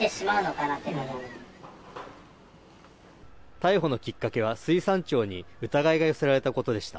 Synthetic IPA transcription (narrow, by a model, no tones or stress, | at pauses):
eɕimaɯ̟no̞kanat̪em | t̪aiɦo̞no̞kʲikːake̞β̞asɨisãɲ̟t͡ɕo̞ːɲ̟iɯ̟t̪aɡaiɡajo̞se̞ɾaɾe̞t̪ako̞t̪o̞d̪e̞ɕi̥t̪a̰